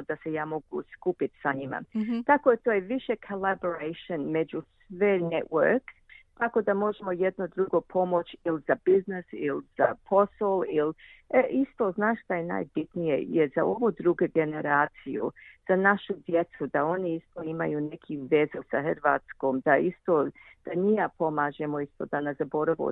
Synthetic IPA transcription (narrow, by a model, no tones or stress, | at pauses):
od̪asejaːmo̞ɡṵskupit̪saɲima̰t̪akoet̪oːjeʋiʃekʰolaboɾeʃonmed͡ʒusʋenewə̰ɾk | t̪ako̞d̪amo̞ʒemo̞jed̪no̞d̪ɾuɡo̞pʰo̞mo̞t͡ʃilzabiznesilz̥a̰pʰo̞solilʔist̪oznaːʃt̪ajena̰ːjbit̪nijḛjeza̰oʋud̪ɾuɡeɡeneɾaːt̪sijṵz̥anaʃud̪jet̪sud̪ao̞niist̪oima̰junekʰiʋezusahəɾʋaːt̪skoːmd̪aist̪od̪̥anijapo̞maːʒemoist̪o̞d̪anezabo̞ɾaʋo̰